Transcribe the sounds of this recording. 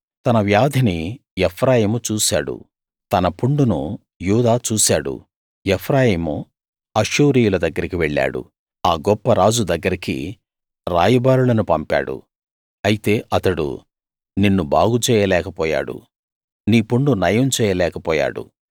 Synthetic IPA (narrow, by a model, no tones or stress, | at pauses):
t̪ɐnɐʋjaːd̪ʱɐniɛpʰɾaːjiːmut͡ʃuːsaːɽṵ | t̪ɐnɐpuɳɖunṵ | juːd̪aːt͡ʃuːsaːɽṵ | epʰɾaːjiːmu | ɐʃuːɾijulɐd̪ɐɡːɐɾikiʋeɭːa̰ːɽṵ | aːɡɔpːɐɾaːd͡ʒud̪ɐɡːɐɾikḭ | ɾaːjɐbaːɾulɐnupɐmpa̰ːɽṵ | ɐjit̪e̞ːʔɐt̪ɐɽṵ | ninːuba̰ːɡut͡ʃɛːjɐlɛːkɐpɔːja̰ːɽṵ | niːpuɳɖunɐjɐmt͡ʃɛːjɐlɛːkɐpɔːja̰ːɽṵ